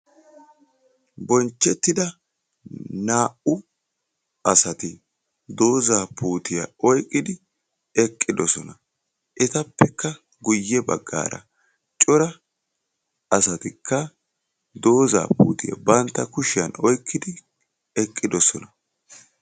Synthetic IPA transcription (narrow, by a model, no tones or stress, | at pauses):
bɔnt͡ʃːɛt̪ːɪd̪ɐ | naːʔʊ | ɐsɐt̪ɪ | d̪o̞ːzaːpuːt̪ɪjɐ̰ɔjkʼːɪd̪ɪ | ɛkʼːɪd̪ɔsɔnɐ | ʔɛt̪ɐpːɛkːɐ | ɡʊjːɛbɐ̰ɡːa̰ːɾɐ̰ | t͡ʃʼɔɾɐ | ɐsɐt̪ɪkʰːɐ | d̪o̞ːza̰ːpṵːt̪ɪjɐ̰bɐnt̪ːɐkʊʃɪjɐnɔjkʰːɪd̪ɪ | ɛkʼːɪd̪ɔsɔnɐ